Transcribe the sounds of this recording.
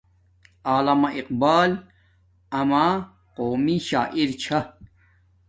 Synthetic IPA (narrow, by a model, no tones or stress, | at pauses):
aːlɐmaʔiqbaːl | ɐma | qoːmiɕaːʔiɾt͡ɕʰa